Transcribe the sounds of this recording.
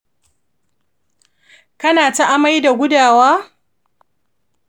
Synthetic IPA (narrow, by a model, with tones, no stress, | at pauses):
kɐ˦naː˨ta˦ʔa˦ma˦jda˨ɡʷʊ˦daː˨waː˦